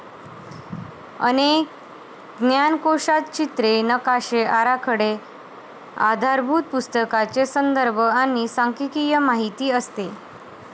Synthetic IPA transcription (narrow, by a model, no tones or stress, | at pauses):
ə̰nek̚ | ɡnjankoʂat̪̚t͡ɕit̪ɾenəkaɕeʔaɾakʰəɽe | a̰d̪ʱaɾbʱut̪̚pust̪əkat͡sesənd̪əɾbʱəanisaŋkikijəmaɦit̪iːəst̪e